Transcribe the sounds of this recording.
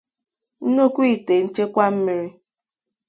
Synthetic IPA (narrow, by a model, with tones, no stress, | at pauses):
n̩˦no˦kʷi˦˨te˨n̩˦t͡ʃe˦kʷa˦m̩˦mi˦ɾi˦